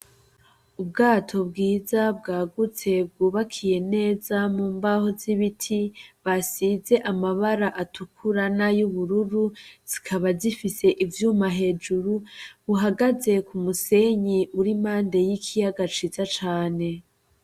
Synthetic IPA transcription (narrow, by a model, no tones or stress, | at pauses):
ub̚ɡaːtʰo̞bɡiːzabɡaːɡut͡se̞b̚ɡuːβakʰije̞ne̞ːzamuːmbaho̞ziβitʰiβasize̞ʔamaβaɾaʔatʰukʰuɾanajuβuɾuɾuz̥ikʰaβazifise̞ʔivjuːmaɦe̞ːd͡ʒuɾuβuɦaɡaze̞kumuse̞ɲiʔuɾimaːnde̞jikʰijaɡat͡ʃizat͡ʃaːne̞